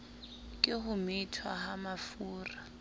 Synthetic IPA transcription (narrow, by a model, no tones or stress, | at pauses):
kʼɪɦʊmɪtʰwahamafuːra